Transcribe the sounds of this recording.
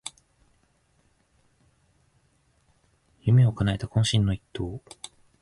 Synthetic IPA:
jɯ̟meokanaet̪akõ̞ɕĩnːo̞it̪ːo̞ː

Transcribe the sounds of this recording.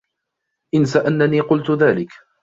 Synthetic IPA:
ʔɪnsaʔanːaniːqʊlt̪ʊðaːlɪk

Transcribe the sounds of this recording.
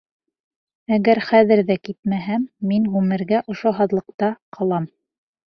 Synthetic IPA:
æɡæɾχæðɘ̆ɾðækit̪̚mæɦæmːinɣʉmɘ̆ɾɡæʔŏʃoɦɑðlˠɤ̆q̚t̪ɑqʰɑlˠɑm

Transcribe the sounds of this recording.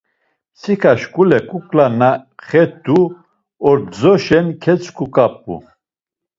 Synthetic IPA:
sikʰaʃkʼulɛkʼukʼlanaχɛd̪u | ɔɾd͡zɔʃɛnkʰɛt͡sʰʼkʰukʼap̚ʼṵ

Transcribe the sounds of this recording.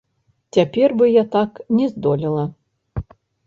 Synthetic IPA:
t͡sʲapʲɛrbɨjat̪aknʲɛzd̪ɔlʲilˠɐ

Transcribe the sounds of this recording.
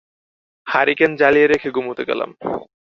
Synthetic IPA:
haɾikend͡ʑalijeɾekʰeɡumɦot̪ekɛ̰la̰m

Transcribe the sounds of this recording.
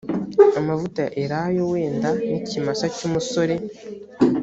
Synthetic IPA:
amavutaʔeɾajo̞we̞ːndanicimasacumuso̞ɾe̞

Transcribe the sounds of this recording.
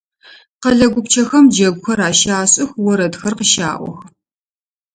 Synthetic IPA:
qɐɮɐɡʷʊpt͡ʃʰɐxɐmd͡ʒɐɡʷxɐɾaːʃaːɕʼɪxwɔɾɐdxɐrqəʃa̰ːʔʷɔ̰x

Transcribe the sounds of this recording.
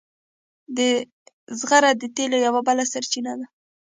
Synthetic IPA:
d̪ə | zɣaɾad̪ət̪elojawabəlasaɾt͡ʃinad̪a

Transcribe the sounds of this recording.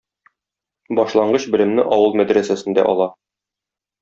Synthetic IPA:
bɒʃlˠɑɴɢɤɕbɘ̆lɘ̆mnɘʔɒwɤlˠmæd̪ɾæsæsɘ̆nd̪æ̰ʔɒlˠɑ

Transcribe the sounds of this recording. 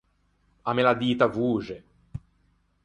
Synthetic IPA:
amelad̪iːt̪avuːd͡ʒe

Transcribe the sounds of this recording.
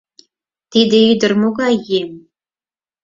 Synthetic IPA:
t̪id̪ʲɘ̆yjd̪ɘ̆rmoɡɑjem

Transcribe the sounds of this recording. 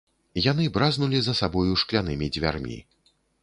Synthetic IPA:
jan̪ɨbɾaznulʲizɐsabɔjuʂklʲanɨmʲid͡zʲvʲa̰rmʲḭ

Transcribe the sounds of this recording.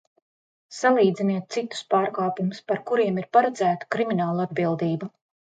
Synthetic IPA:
salˠiːd̪ziniɛt̪̚t̪sit̪u̥spaːɾkaːpumuspaɾkuɾiɛmiɾpaɾad̪zæːt̪u̥kɾiminaːlˠad̪̚bilˠd̪iːbu

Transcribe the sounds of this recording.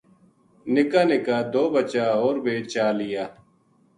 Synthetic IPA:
nɪkaːnɪkaːd̪oːbət͡ʃaːɦoːɾbeːt͡ʃaːlɪjaː

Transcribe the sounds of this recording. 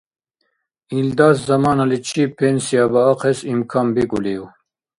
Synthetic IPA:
ild̪ɑːszɐmɑːnalit͡ʃʰipʰensijɑbəɑqesimkʰɑːmbikuliu

